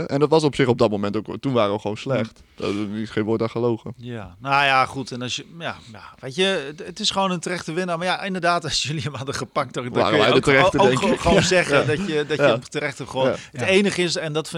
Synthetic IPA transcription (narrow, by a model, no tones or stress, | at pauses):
ɛndɔtʋɑs̬ɔpsɪxɔb̚dɔt̚momɛntoktunʋaːɾəʋəxəʋoːnslɛxt | ɪsχẽːnʋoːtaχəlowɣəjanajaχutʰɛnɔsjəjajaʋeːtjəətɪsχəʋoːnəntərɛχtəʋɪnəmajaɪndərdaːtɔsjjəliəmɑdəχəpak̚tɔda̰ːəɛjdəərɛtəokŋχonzɛχədɔjədɔjətərɛχtəχəʋoːətejnəχəɪsɛndɔtf